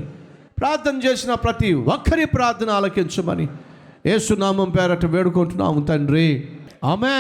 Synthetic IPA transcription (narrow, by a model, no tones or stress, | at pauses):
pɾaːɾt̪ʰːɐnt͡ʃeːsinɐpɾɐt̪iʋɔkʰːɐɾipɾaːɾt̪ʰɐnaːlɐkiɲt͡ʃɐmɐ̰nḭ | jeːsunaːmɐmpɛːɾɐʈɐʋeːɽukoɳʈunːa̰ːmunt̪ɐɳɖɾiaːme